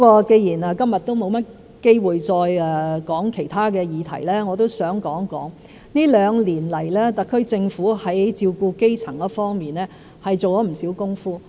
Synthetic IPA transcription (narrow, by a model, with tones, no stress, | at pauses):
i˥kɔː˧ke˧jiː˨˩naː˨˧kɐ˥mjɐ˨t̚t̪o˥wmo˨˧wmɐ˥t̚ | ke˥jwuː˨jt͡ʃɔː˧jɛ˨kɔː˨˥ŋkʰe˨˩jt̪ʰaː˥kɛː˧jiː˨˧t̪ʰɐ̰˨˩jlɛː˥ŋɔː˨˧t̪̬o˥wsœː˨˥ŋkɔː˨˥ŋkɔ̰ː˨˥ŋ | niː˥lœː˨˧ŋliː˨˩nlɐ˨˩jlɛː˥t̪ɐ˨t̚kʰːɵ˥ɥt͡sɪ˧ŋfuː˨˥hɐ˨˥jt͡siː˧wkuː˧ke˥jt͡sʰɐ˨˩ŋkɔ˥fɔː˥ŋmiː˨nɛː˥ | hɐ˨jt͡so˨wt͡ʃɔː˨˥m̩˨˩siː˨˥wkʊ˥ŋfuː˥